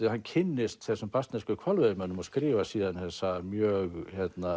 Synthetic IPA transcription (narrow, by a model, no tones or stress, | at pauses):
ihankʰɪnːɪst̪ɛsɔmpast̪nɛskʏkʰvɔlvœðmœnːʏmɔskɾiːvasiːðanhɛsamjœɣhɛt̪na